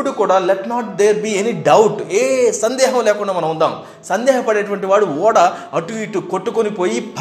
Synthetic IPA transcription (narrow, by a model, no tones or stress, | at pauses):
uɽukuːɽaːlɛʈnaːʈ̚d̪eːɾbiːeniɖɐwʈeːsɐnd̪ɛːɦɐmlɛːkuɳɖaːmɐnɐmund̪a̰ːm | sɐnd̪ɛːɦɐpɐɽeːɐʈ̬uʋɐɳʈiʋaːɽuɔːɽɐɐʈuʋiːʈːukoʈːukonipoːjibʱ